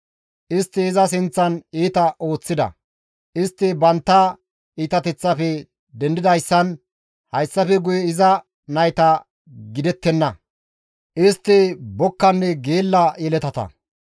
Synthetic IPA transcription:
ʔɪst̪ːɪːzɐs̬ɪnt͡sːɐniːt̪ɐʔo̞ːt͡sːɪd̪ɐ̰ | ʔɪst̪ːɪbɐnt̪ːɐ | iːt̪ɐt̪ɛt͡sːɐfɛ | d̪ɛnd̪ɪd̪ɐjsːɐn | hɐjsːɐfɛɡʊjɛɪzɐ | nɐjt̪ɐ | ɡɪd̪ɛt̪ːɛnːɐ | ʔɪst̪ːɪbɔkːɐnːɛɡeːlːɐjɛlɛt̪ɐt̪ɐ̰

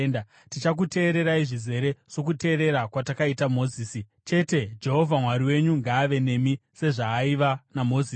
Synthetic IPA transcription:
nda | tit͡ʃak̬ute̞ːɾe̞ɾaiʐize̞ɾe̞ʐ̥o̞k̬ute̞ːɾe̞ɾakwatakaitamo̞ːziːsi | t͡ʃe̞te̞d͡ʒe̞ɦo̞vʱamwaɾiwe̞ɲuŋɡaːʋe̞ne̞mise̞ʐaːiʋanamo̞ziː

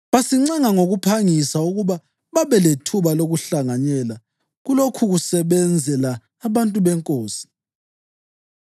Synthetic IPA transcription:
βasiŋ͡ǀaŋaŋoɣupʰaŋisauɣuβa | βaβɛletʰuβaloɣuɬaŋaɲɛla | ɣulokʰuɣusɛβɛnd͡zʱɛlaː | βantʼuβɛŋkʼoːsi̥

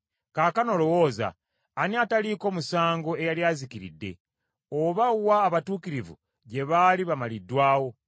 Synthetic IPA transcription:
kaːkano̞lo̞wo̞ːza̰ː | niataliko̞ːmusaːŋɡo̞e̞jaljaːzikiɾḭdːe̞̰ | oβawaːβatuːkiɾivṵ | ɟe̞βaliβamalidːwaːwo̞

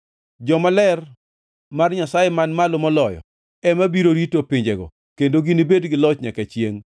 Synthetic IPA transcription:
d͡ʒɔmalɛr | marɲasajemanmalomɔlɔjɔ̰ | ɛmabiɾoɾitopɪɲd͡ʒɛɡɔ̰ | kendoɡinibedɡɪlɔt͡ʃɲakɛt͡ʃjeŋ

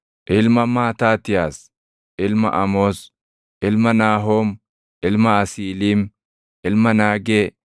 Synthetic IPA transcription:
ʔɪlmɐmaːt̪aːt̪ɪjaːs | ʔɪlmɐ̰ʔɐmoːs | ʔɪlmɐnaːɦo̞ːm | ʔɪlmɐɐsiːliːm | ʔɪlmɐnaːɡeː

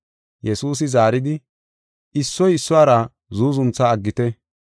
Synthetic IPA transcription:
jɛsuːs̬ɪzaːɾɪd̪ɪ | ɪsːɔjɪsːʊaːɾɐ | zuːzʊnt͡sːaːɡːɪt̪ɛ

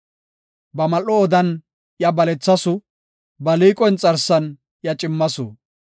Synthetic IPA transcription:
bɐmɐlɔːd̪ɐn | jɐbɐlɛt͡sːɐsʊ | bɐliːkʼɔjnt͡sʼɐɾsɐn | jɐt͡ʃʼɪmːɐsʊ̰

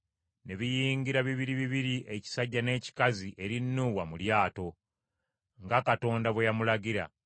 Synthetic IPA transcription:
ne̞βijiːŋɡiɾaβiβiɾiβiβiɾiʔeci̥saɟːane̞ːci̥kaziʔe̞ɾinːuːwamuljaːto̞ | ŋɡakato̞ːndaβwe̞jamulaɡiɾa̰

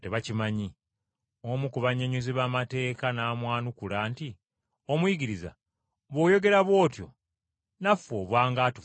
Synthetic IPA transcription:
teβacimaɲi | omukuβaɲeɲuziβaːmate̞ːkanaːmwaːnukulaːnti | o̞mujiɡiɾiza̰ | βwo̞ːjo̞ɡe̞ɾaβwo̞ːtjo̞̰ | nafoːβwaːŋɡatu

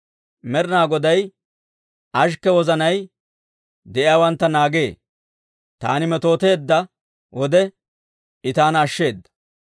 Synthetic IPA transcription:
mɛɾɪnaːɡɔd̪ɐj | ʔɐʃkːɛwɔzɐnɐj | d̪ɛʔɪaːwɐnt̪ːɐnaːɡe̞ː | t̪a̰ːnɪmɛt̪o̞ːt̪e̞ːd̪ːɐ | wɔd̪ɛ | ɪt̪aːnɐʃːe̞ːd̪ːɐ̥

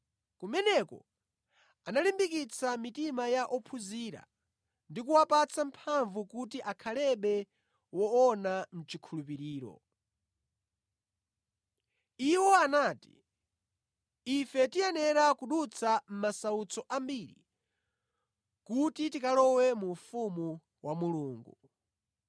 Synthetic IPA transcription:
kumɛnɛkɔ̰ | analimbikit͡sʰamitimajaʔɔpʰuziːɾa̰ | ndikuwapat͡sampʰaɱvukut̬iʔakʰalɛɓɛ | wɔɔnam̩t͡ʃikʰulupiɾiːɾɔ̰ | iwɔanaːti̥̰ | ifɛtijɛnɛɾakuɗut͡sʰam̩masaut͡sɔʔambiɾḭ | kutitikalɔwɛmufumu | wamuluːŋɡu

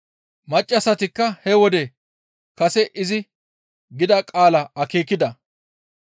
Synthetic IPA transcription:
mɐt͡ʃʼːɐsɐt̪ɪkːɐhɛwɔd̪ɛ | kɐsɛʔɪzɪ | ɡɪd̪ɐkʼaːlɐɐkeːkːɪd̪ɐ

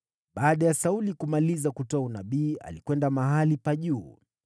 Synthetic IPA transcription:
ɓaːɗajasaulikumalizakutɔaunaɓiːa̰likwɛndamaɦalipaʄuː

